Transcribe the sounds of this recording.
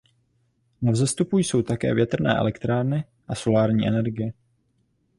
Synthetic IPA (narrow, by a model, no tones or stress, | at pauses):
navzɛst̪upujso̞wt̪akɛ̰ːvjɛt̪r̩nɛ̰ːʔɛ̰lɛkt̪ɾaːɾnɪ | ʔaso̞laːɾɲiːʔɛnɛɾɡɪjɛ